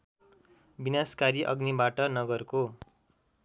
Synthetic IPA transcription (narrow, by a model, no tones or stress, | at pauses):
binaskaɾiʔʌ̰ɡnibaʈʌnʌɡʌrko